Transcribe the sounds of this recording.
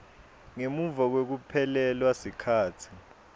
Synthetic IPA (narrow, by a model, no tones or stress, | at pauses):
ŋemuvak̬wek̬upʰɛlɛlwasikʰaːtʰi̥